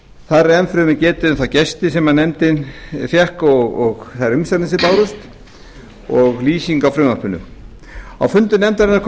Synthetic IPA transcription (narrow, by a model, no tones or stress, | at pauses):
θaðɾɛnfɾʏmɪcɛːt̪ɪʏmθawcɛst̪ɪsɛmanɛmt̪ɪnfjɛhkɔɣɔɣθaðɪɾʏmsɛɾnɪsɪpaːwɾʏst̪ | ɔɣliːsiŋkawfɾʏmaɾpʏnʏ̰ | a̰wfʏnt̪ʏnɛmt̪aɾɪnːaɾkʰ